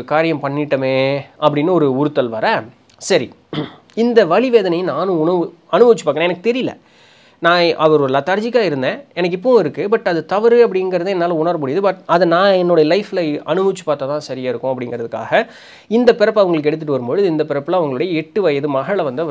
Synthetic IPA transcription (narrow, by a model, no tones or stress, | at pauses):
kaːɾɪjɐmpɐɳːɪʈːɐmeːʔɐpːɐɽɪnːɯɔɾɯʊɾɯt̪ːɐlʋɐɾɐ | sɐɾi | ɪnd̪ɐʋɐɭiʋeːðɐnɐjnaːnɯ̃ʊnɐʋɯ | ɐnɯmɐʋɪt͡ʃːɯpaːkɐñẽɛnɐkːɯ̥t̪ɛɾɪjɪlːɐ̰ | nãːʔɐʋɐɾɔɾlːãːt̪ɐɾd͡ʒɪkːaːɪɾɯnd̪ẽːɛnɐk̬ːɪpːɐʊ̃ɪɾɯkːɯpɐʈːɐðɯt̪ɐʋɐɾɯɐp̬ːɐɽɪnŋɡɾɐðɯɛnːaːlɐʊɳɐɾɐmʊɽɪjɐðɯpaɐðɯnãːɛnːɔɽɐjɐlɐɪflɐɐnɯmɐʋɪt͡ʃːɯ̥paːɾt̪aːt̪ãːsɐɾɪjaːɪɾɯkːʊ̃ɐp̬ːɐɽɪŋɡɾɐðɯkːa̰ːɣɐ | ɪnd̪ɐpɪɾɐpːɯɐʋɐŋɡɐɭɯk̬ːɛɽɯt̪̬ːɯʈːɯʋɐɾɯmpɔɻɯðɯɪnd̪ɐpɪɾɐpːɯlãːɐʋɐŋɡɐɭɯɽɐjɐɛʈːɯʋɐjɐðɯmɐɣɐɭɐʋɐnd̪ɯ